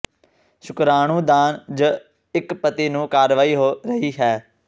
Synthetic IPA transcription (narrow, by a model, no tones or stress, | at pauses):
ʃʊkɾaːɳ̃ũːd̪aːnd͡ʒə | ɪkpət̪iːnũːkaːɾʋaːiːɦoːɾəɦiːɦɛː